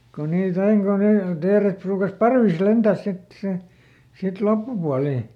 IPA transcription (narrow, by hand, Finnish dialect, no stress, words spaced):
ko niːt ɑiŋ ko ne teːret pruːkɑs pɑrʋis lentæˑs sit si sit lopːupuɑliˑ